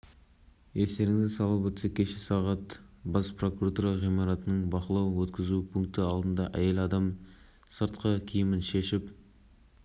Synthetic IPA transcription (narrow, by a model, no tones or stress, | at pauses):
est̪e̞ɾɪŋɪzɪsɑlˠəpwɵt̪sekʲʰeʃesɑʁɑt̪bɑspro̞kuɾat̪uɾɑʁijmɑɾɑt̪ənəɴbɑqəlˠɑwwɵt̪kʲɪzupʰuŋk̚t̪əɑlˠd̪ənd̪ɑʔæje̞lɑd̪ɑm | səɾt̪qəkʲʰijɪmɪnʃe̞ʃɪp